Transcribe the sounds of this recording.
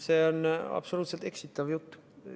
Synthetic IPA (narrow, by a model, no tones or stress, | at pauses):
seːonɑ̰pso̞luːt̪se̞lt̪e̞ksit̪ːˑɑvjut̪ːu̥